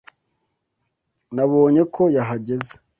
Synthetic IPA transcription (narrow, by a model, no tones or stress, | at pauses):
naβo̞ːɲe̞kʰo̞jaɦaɟe̞ze̥